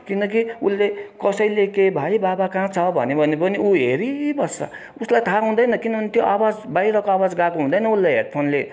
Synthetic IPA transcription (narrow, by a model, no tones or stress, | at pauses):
kinʌk̬iulːekʌsʌjlekebʱajbabakãt͡sʰʌbʱʌ̰nebʱʌnepʌniuɦeɾibʌsʌ̰ | uslajt̪ʰaɦũd̪ʌjnʌkinʌbʱʌnet̪joʔawad͡zbaiɾʌkoawad͡zɡakoɦũd̪ʌjnʌulːajɦeɽ̚pʰonle